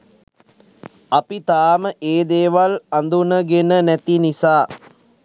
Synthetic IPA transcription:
ɐpit̪aːməʔeːd̪eːʋaland̪unəɡenənæt̪inisaː

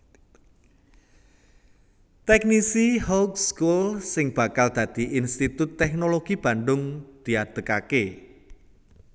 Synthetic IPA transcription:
t̪ɛk̚nisihokskulsɪŋb̥a̤kald̪̥ä̤d̪̥iinst̪it̪ʊt̪ːɛknoloɡ̥ib̥a̤nɖʊŋd̪̥i̤ad̪̥əkake

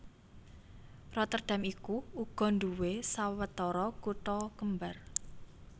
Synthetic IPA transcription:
rɔt̪ərd̪̥a̤mikuuɡ̥ɔ̤nd̪uwesawət̪ɔɾɔkuʈɔkəmbar

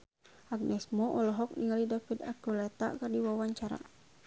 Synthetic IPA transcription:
aɡ̚nɛsmɔʔɔlɔɦɔk̚niŋalidafid̪akulɛt̪a̰kardiwawaɲt͡ʃaɾa̰

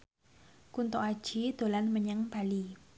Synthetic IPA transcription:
kunt̪oad̥ʒ̥id̪̥o̤lanməɲəŋb̥a̤li

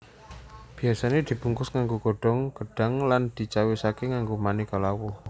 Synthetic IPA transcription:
b̥i̤asaned̪̥i̤b̥uŋkʊsŋaŋɡoɡ̥o̤ɖ̥ɔ̤ŋɡ̥əɖ̥a̤ŋland̪̥i̤t͡ʃawisakeŋaŋɡomanikɔlawɔh

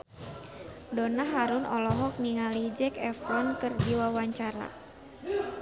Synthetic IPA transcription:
dɔnaɦaɾunʔɔlɔɦɔk̚niŋalid͡ʒɛkɛfɔnkɨrdiwawaɲt͡ʃaɾa̰

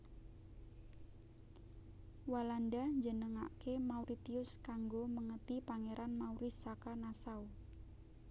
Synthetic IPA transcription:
walandad͡ʒənəŋaʔkemauɾit̪iʊskaŋɡoməŋət̪ipaŋeɾʔanmauɾɪsakanasau

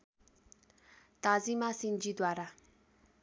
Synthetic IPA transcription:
t̪azimasind͡ʒid̪waːɾa

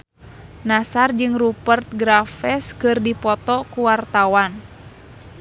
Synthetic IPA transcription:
nasard͡ʒɨŋrupərt̪̚ɡɾafɛskɨrdipɔt̪ɔkuwart̪awan

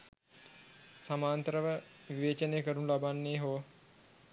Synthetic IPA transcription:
samaːnt̪əɾəʋə | ʋiʋeːt͡ʃənejəkəɾunlabanːeːɦoː

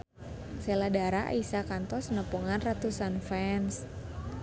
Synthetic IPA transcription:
seladaɾaʔa̰isakant̪ɔsənəpuŋanrat̪usanfɛns

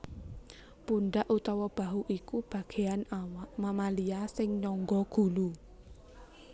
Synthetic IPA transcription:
punɖaʔut̪ɔwɔb̥a̤ɦuʔikub̥ä̤ɡ̥e̤anaaʔmamaliasɪŋɲɔŋɡɔɡ̥ṳlu

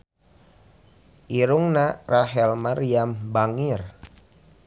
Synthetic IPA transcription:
ʔiɾuŋnarʔaɦɛlmariambaŋir

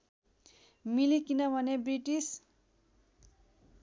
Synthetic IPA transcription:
milikinʌbʱʌnebriʈis

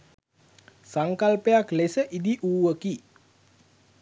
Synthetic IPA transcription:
saŋkalpəjaklesəʔid̪iʔuːʋəki

